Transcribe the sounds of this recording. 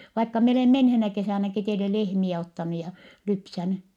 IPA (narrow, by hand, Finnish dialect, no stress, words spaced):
ʋɑikːɑ mie oleˑ menheːnæ kesæˑnæki teile lehmiɛ otːɑnu jɑ lypsæny